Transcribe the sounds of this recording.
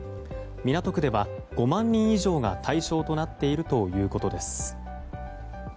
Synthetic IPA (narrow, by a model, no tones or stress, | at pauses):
mʲinat̪o̞kɯ̟d̪e̞βa | ɡ̥o̞mãɲ̟ːĩɰ̃iʑo̞ːɡa̰t̪ʰaiɕo̞ːt̪o̞nat̪ːe̞iɾɯ̟t̪o̞jɯ̟ːko̞t̪o̞d̪e̞sɨ̥